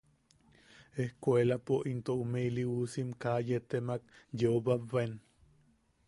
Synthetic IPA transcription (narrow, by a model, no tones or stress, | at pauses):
ehkʷelapoʔint̪oumeiliusimkajet̪emak̚jeoβabβen